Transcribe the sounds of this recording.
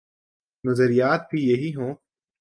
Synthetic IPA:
nɐzəɾijaːt̪̚bʱijɐɦiɦõː

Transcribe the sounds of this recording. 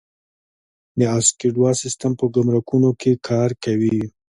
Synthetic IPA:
d̪əaskeɖwɑsɪst̪ampəɡʊmɾakunokʰekʰɑɾkawi

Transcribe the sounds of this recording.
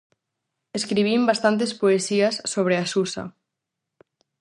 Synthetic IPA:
eskɾiβimbast̪ant̪̬espoesiasːoβ̞ɾeasusa̰

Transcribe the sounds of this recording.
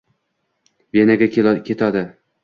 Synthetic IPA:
venaɡʲakkʲʰe̞t̪ʰɒd̪ɪ

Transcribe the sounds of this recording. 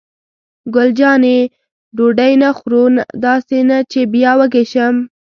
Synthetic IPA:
ɡʊld͡ʒɑne | ɖoɖajnaxɾond̪ɑsenat͡ʃebjɑwəɡeʃəm

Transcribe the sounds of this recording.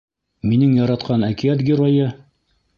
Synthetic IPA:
minɘŋjɒɾɑt̪qʰɑnækijæt̪ɡʲɪɾojɤ

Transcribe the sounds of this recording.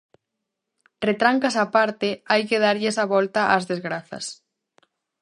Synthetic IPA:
ret̪ɾaŋkasapaɾt̪eajkeð̞aɾʎesaβɔlt̪aʔazðezɣɾaθɐ̰s

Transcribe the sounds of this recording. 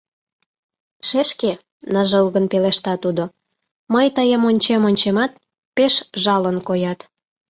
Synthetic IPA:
ʃeʃke | nəʒəlɣənpeleʃt̪ɑt̪ud̪o | məjt̪əjəmonʲt͡ɕemonʲt͡ɕemɑt̪̚ | peʃʒɑlənkojɑt̪

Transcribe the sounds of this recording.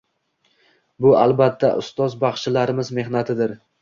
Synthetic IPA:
bʊalˠbat̪ʰːa̰ʔʊ̰st̪ɒzbaχʃɪlaɾɪmɪzme̞hnat̪ʰɪd̪ɪɾ

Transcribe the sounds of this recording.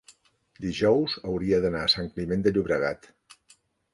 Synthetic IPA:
d̪iʒɔwzəwɾiəðənaːsaŋklimend̪əʎuβɾəɣat̪

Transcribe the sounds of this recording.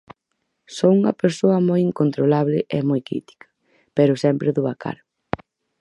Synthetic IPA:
souŋɐpeɾsoɐmojiŋkont̪ɾolaβlɪʔɛmojkɾḭt̪i̥kʰɐ̥ | peɾʊsɛmpɾeðuβakʰa̰ɾ

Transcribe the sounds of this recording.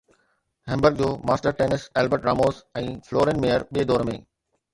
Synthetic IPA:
ɦɛ̃ːmbəɾɡ̚d͡ʑoːmaːsʈəɾʈeːnɪsɛːlbəɾʈɾaːmoːsɛ̃ːfloːɾẽːnmeːjəɾɓied̪ɔːɾmḛ̃ː

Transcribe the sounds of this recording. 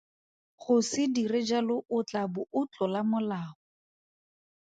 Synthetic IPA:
χʊsɪdirɪd͡ʒalʊʔʊt͡ɬabʊʔʊt͡ɬɔlamʊlaːɔ

